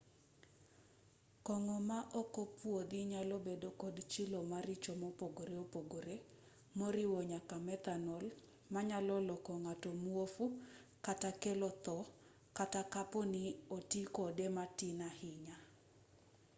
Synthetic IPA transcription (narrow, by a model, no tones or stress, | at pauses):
kɔŋɔmaʔɔkɔpwod̪ɪɲalobedokɔd̪t͡ʃɪlomaɾɪt͡ʃomɔpoɡoɾeopoɡoɾe | moɾɪwɔɲakamɛt̪anɔl | maɲalɔlɔkɔŋatɔmuofukatakelɔt̪ɔ | katakapɔnɪotikɔdematinahɪɲa